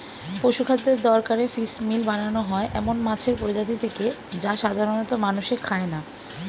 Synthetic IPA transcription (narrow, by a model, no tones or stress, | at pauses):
pɾoʃukʰad̪ːeɾd̪ɔɾkaɾefismilbananoɦɔeʔɛmonmat͡ɕʰeɾpɾod͡ʑat̪̬it̪ʰeked͡ʑaʃad̪ʱaɾonot̪omanuʃekʰaena